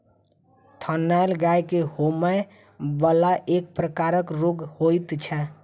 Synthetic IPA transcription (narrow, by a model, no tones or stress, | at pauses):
t̪ʰənːajlɡajkehoməj | bəlaʔek̚pɾəkaɾəkɾoɡhojt̪t͡ʃʰɛ